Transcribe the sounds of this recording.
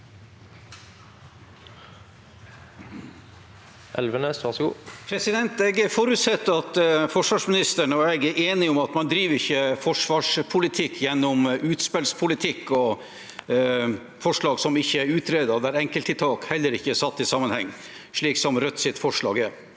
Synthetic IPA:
ʔɛ̰lʋəneːsʋɑʁʂɡuːpʰɾɛsɪd̪ɛnt̪ɛɡɛfɔɾʉt̪sɛt̪ːəɑt̪fɔʂʋɑːʂmɪnɪst̪əɳəɔɛɡɛʔeːnɪɔmɑt̪mɑnd̪ɾiːʋɾɪçːəfɔʂʋɑːʂpʰʊlɪt̪ʰɪkʰːjɛnːɔmʔʉːt̪spɛlspʰʊlɪt̪ʰɪkːɔ | fɔʂɭɑːɡsɔmɪçːəæɾʉːt̪ʰɾeːd̪ɑd̪æɾɛŋkəlt̪ɪt̪ʰɑːkhɛlːəɾɪçːəæsɑt̪ːɪsɑmːənhɛŋː | ʂɭiːksɔmɾœt̪ːsɪt̪fɔʂɭɑ̰ːɡɛɾ

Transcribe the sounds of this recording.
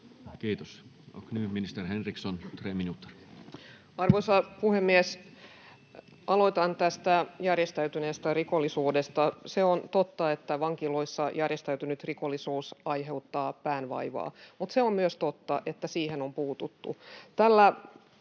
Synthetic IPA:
kiːt̪os | o̰knyːminist̪erhenriksont̪reːminut̪ːer | ɑrʋoisɑpuhemːies | ʔɑlo̞it̪ɑnt̪æst̪æjærjest̪æyt̪yneːst̪ærikolːisuːdest̪ɑseont̪ot̪ːɑet̪ːæʋɑŋkilo̞isːɑjærjest̪æyt̪ynyt̪rikolːisuːsɑjɦe̞wt̪ːɑːpæːnʋɑ̰iʋɑ̰ːmut̪seommyøst̪ot̪ːɑʔe̞t̪ːæsiːhenompuːt̪ut̪ːṵt̪ælːæ

